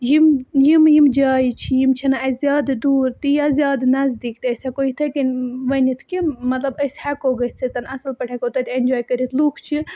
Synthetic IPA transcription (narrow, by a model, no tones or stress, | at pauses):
jimjimjimd͡ʒaːjit͡ʃʰijimt͡ʃʰɐnaɐzʲjaːd̪d̪uːɾt̪ijazjaːd̪nɐzd̪iːkt̪iəshɛkoit̪ʰɐkinʋɐnit̪ʰkimɐt̪lɐbəshɛkoːɡɐt̪t͡sʰit̪ɐnɐsɐlpɐʈʰɐkot̪ɐt̪enʲd͡ʒoːjkɐɾit̪ʰlukʰt͡ʃʰi